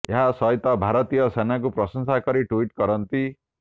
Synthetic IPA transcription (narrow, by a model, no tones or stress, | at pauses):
eɦasʌjt̪ʌbʱaɾʌt̪ijʌsenak̬uprʌsʌŋsakʌɾiʈuiʈkʌɾʌnt̪i